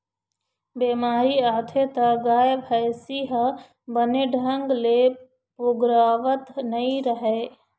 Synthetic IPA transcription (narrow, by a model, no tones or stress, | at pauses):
beːmaːɾiaːt̪ʰet̪ɐɡaːjbʱəjsiɦə | bəneɖʱə̃ŋɡle | ʊɡɾaːʋət̪nɐĩɾəɦe